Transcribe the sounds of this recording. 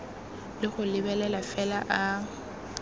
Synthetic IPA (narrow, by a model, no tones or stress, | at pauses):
lɪχʊlɪbɛlɛlafɛlaʔa